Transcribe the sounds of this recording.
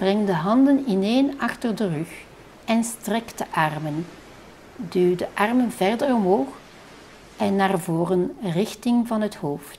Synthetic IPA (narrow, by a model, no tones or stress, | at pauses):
b̥rɛŋdəɦɑndənɪneːnɑxtərdərøx | ɛnstrɛkdəʔɑrmən | dyːdəʔɑrmənvɛrdərɔmɦoːx | ʔɛnːaːrvoːrənrɪxtɪŋvɑnɦəthoːft